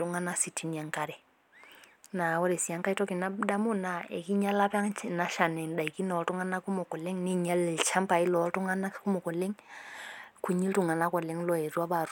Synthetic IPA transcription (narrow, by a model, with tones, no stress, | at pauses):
tu˦ŋa˦na˦si˨tʰi˨ni˨a˨ŋka˨ɾɛ˨ | na˨ɔ˦ɾɛ˨si˨a˦ŋka˦i˦tɔ˦ki˨na˦da˦mu˦na˨ɛ̰˨ki˦ɲa˦la˦pa˦na˦ʃa˨nɛ˨nda˨i˨ki˦nɔ˨ɔ˨tu˦ŋa˦na˦ku˦mɔ˨kɔ˨lɛ˦ŋni˦ɲa˦lɛ˨lt͡ʃʰa˦mpa˨i˦lɔ˨˦tu˦ŋa˦na˦ku˦mɔ˨kɔ˨lɛ˦ŋ | kʰu˨ɲi˦ltu˦ŋa˨na˦kɔ˨lɛ˦ŋlɔ˦ɛ˨ɾwa˦βa˨ɾ